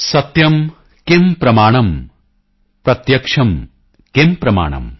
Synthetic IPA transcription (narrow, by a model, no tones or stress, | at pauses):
sɐt̪jɐm | kempɾɐmaːɳɐm | pɾɐt̪jɐkʂɐm | kempɾɐma̰ːɳɐ̰m